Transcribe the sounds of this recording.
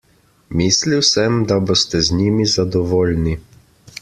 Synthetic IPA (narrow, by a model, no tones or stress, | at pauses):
misliwsɛmd̪abost̪ɛznimizad̪ɔʋoːlni